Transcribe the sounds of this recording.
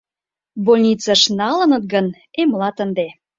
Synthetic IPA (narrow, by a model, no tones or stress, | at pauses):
bolʲnʲit͡sɑʃnɑlə̆nə̆t̪̚ɡən | emlɑt̪ənd̪e